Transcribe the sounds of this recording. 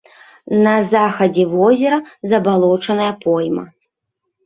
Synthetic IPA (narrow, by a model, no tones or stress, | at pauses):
nɐzaxɐd͡zʲɛvɔzʲɛɾɐzɐbalˠɔt͡ʂɐnɐjɐpɔjmɐ̰